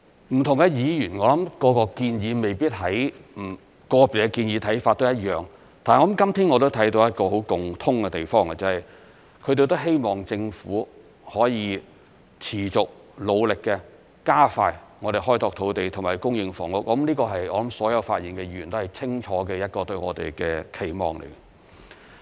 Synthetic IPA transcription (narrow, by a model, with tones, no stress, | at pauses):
m̩˨˩t̪ʰʊ˨˩ŋkɛ˧jiː˨˧jyː˨˩nŋɔː˨˧lɐ˨˦˥mkɔː˨˧kɔː˧kiː˧njiː˨˧me˨jpiː˥t̚ɦɐ˨˥jm̩˨˩ | kɔː˧pi˨˩kɛ˧kiː˧njiː˨˧t̪ʰɐ˨˥jfaː˧t̚t̪o˥wjɐ˥t̚jœː˨ŋ | t̪ʰa˨n˨ɔː˧˥lɐ˨˥mkɐ˥mt̪ʰiː˥nŋɔ˨˧t̪̬o˥t̪ʰɐ˨˥jt̪o˧wjɐ˥t̚kɔː˧ɦo˨˥wkʊ˨ŋt̪ʰʊ˥ŋkɛ˧t̪e˨˩jfɔː˥ŋa˧˩t͡sa˧hɐ˨j | kʰɵ˨˧ɥt̪e˨jt̪o˥wɦe˥jmɔː˨ŋt͡sɪ˧ŋfuː˨˥ | hɔː˨˥jiː˧ | t͡sʰiː˨˩t͡sʊ˨k̚ | lo˨˧wlɪ˨kːɛː˧ | kaː˥faː˧jŋɔː˨˧ɾe˨˩ɦɔː˥jt̪ɔː˧k̚t̪ʰo˨˧wt̪e˨jt̪ʰʊ˨˩ŋmaː˨˩jkʊ˥ŋjɪ˧ŋfɔː˨˩ŋlʊ˨˥k̚ːɔ˥mliː˥kɔː˧ɦɐ˨jɔː˨˧lɐ˨˦˥msɔː˨˥jɐ˨˧wfaː˧t̚jiː˨˩nkɛ˧jyː˨˩nt̪o˥hɐ˨jt͡sʰɪ˥ŋt͡ʃʰɔː˨˥kɛː˧jɐ˥t̚kɔː˧t̪ɵ˧ɥŋɔː˨˧t̪ḛ˨jkɛː˧kʰe˨˩jmɔ̰ː˨˩ŋlḛ˨˩j